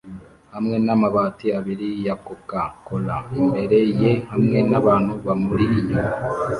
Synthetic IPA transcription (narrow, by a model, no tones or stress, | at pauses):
hamŋe̞namaβaːtiaβiɾijakokakolaimbe̞ɾe̞jehamŋe̞naβaːn̥huβamuɾiʔiɲo